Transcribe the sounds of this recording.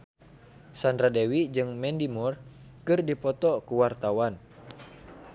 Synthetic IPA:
sandɾadɛwid͡ʒɨŋmɛndimur | kɨrdipɔt̪ɔkuwart̪awan

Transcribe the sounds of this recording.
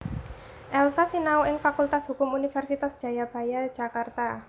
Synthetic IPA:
ʔɛlsasinauɪŋfakult̪asɦukʊmunifɛrsit̪asd̥ʒ̥a̤jab̥a̤jḁd͡ʒ̥a̤kart̪a

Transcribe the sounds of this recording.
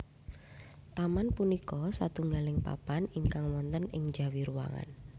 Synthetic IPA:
t̪amanpunikɔsat̪uŋɡalɪŋpa̰paniŋkaŋwɔnt̪ənɪŋdd͡ʒa̤wiɾuwa̰ŋa̰n

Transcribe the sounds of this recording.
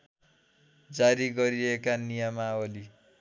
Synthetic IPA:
d͡zaɾiɡʌɾiɾʌekanijamaoli

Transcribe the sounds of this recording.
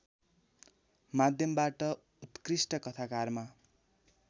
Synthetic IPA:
mad̪ʱjʌmbaʈʌ | ut̪krisʈʌkʌt̪ʰakarma

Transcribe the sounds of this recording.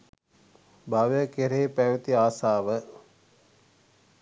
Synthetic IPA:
bʱaʋjəkeɾeːpæʋit̪iaːsaːʋə

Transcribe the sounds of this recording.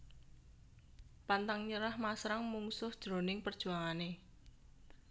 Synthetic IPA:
pant̪aŋɲəɾahmasɾaŋmuŋsʊhd̥ʒ̥ɾo̤nɪŋpərd̥ʒ̥ṳaŋane

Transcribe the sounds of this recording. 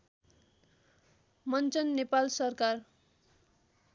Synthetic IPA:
mʌnt͡sʌnːepalsʌrkar

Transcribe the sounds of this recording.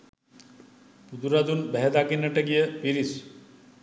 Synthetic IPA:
pud̪uɾad̪unbɛɦɛd̪akinːəʈeɡijepiɾis

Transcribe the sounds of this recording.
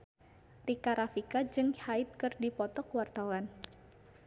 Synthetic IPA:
t̪ikaɾafikad͡ʒɨŋhaɪt̪̚kɨrdipɔt̪ɔkwart̪awan

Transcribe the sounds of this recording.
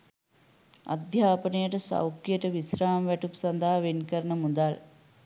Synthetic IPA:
a̰d̪ʱjaːpənejəʈəsa̰wkːijəʈəʋisraːmʋæʈupsand̪aɦaʋenkəɾnəmud̪al

